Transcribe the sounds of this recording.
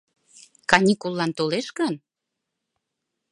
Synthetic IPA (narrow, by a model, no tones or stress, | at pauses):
kɑnʲikulːɑnt̪oleʃkən